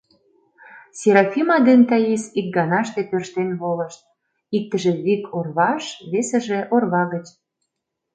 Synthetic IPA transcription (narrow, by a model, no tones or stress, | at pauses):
sʲeɾɑfʲimɑd̪ent̪ɑjisik̚ɡɑnɑʃt̪ep̪ørʃt̪enβoləʃt̪̚ | ik̚t̪əʒĕβikʰorβɑʃβesə̆ʒĕʔorβɑɣət͡ɕ